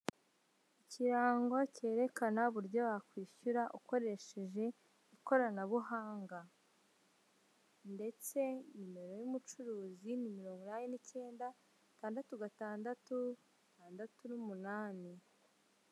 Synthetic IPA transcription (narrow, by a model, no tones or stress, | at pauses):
iciɾaːŋɡoce̞ːɾe̞kanaβuɾjo̞βakwiːʃuɾaʔuko̞ɾe̞ʃe̞ʒe̞ | iko̞ɾanaβuɦaːŋɡa | nde̞t͡se̞ɲime̞ɾo̞jumut͡ʃuɾuːzinimiɾo̞ːŋɡinaːnenice̞ːnda | taːndatuɡataːndatu | tʰaːndatunumunaːni